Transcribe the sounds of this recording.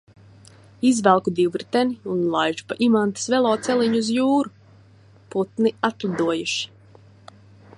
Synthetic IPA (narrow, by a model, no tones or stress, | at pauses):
izvælˠkud̪iwɾt̪ɛniunlˠajʒu̥paʔimant̪ɨ̥svɛlˠɔːt̪sɛliɲuzjuːɾu | put̪niat̪lad̪uɔjuʃi̥